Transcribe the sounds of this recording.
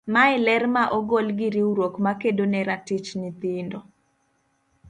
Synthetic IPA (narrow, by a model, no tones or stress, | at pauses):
maɪlɛɾmaʔɔɡolɡɪɾiuɾokmakedonɛɾatit͡ʃnit̪indo